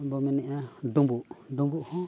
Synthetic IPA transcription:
bomĩnĩʔãd̪ũmbund̪ũmbuhũ

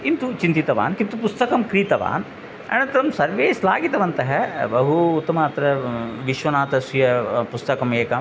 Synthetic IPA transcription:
int̪ut͡ʃint̪it̪ɐʋa̰ːnkint̪upust̪ɐkɐmkɾiːt̪ɐʋa̰ːn | ɐ̰nɐnt̪ɾɐmsɐɾʋeːslaːɡit̪ɐʋɐnt̪ɐɦɐbɐɦuːt̪ːɐmɐːt̪ɾɐʋiʃʋɐnaːt̪ɐsujɐpust̪ɐkɐmeːkɐm

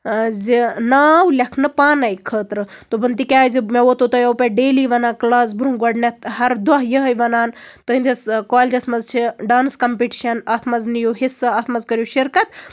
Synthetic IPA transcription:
zinaːwlʲɐkʰnɨpaːnɐjkʰəːt̪ɾɨt̪obɐnt̪ikʲaːjzimewot̪ot̪ojɐwpʲeɖeːliʋɐnaːklaːs̬buɾumɡɐɖnʲɐt̪ɦɐɾd̪ɐɦjəɦɐjʋɐnaːnt̪əind̪ʲɐskaːlʲd͡ʒɐsmɐzt͡ʃʰiɖaːnskɐmpiʈi̥ʃɐnɐt̪ʰmɐznijoɦisɨɐt̪ʰmɐzkɐɾjuʃiɾkɐt̪

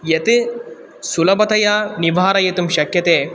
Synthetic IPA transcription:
jɐt̪i | sulɐbɐt̪ɐjaniʋaːɾɐjet̪umʃɐkjɐt̪eː

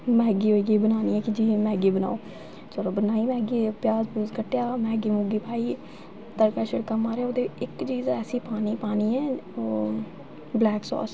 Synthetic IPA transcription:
mɛ̃ːɡiːɦoːiːɡiːbənaːniːɛːkɪd͡ʒiːmɛ̃ːɡiːbəna̰ːoː | səɾoːbənaːiːmɛ̃ːɡiːpjaːzbuzkəʈːjaːmɛ̃ːɡiːmʊɡiːpʰaːiː | t̪əɾkaːʃəɽkaːmaːɾejaːoːd̪eɪkt͡ʃiːzɛːsiːpaːniːpaːniːɛːoː | blɛːksɔ̰ːs

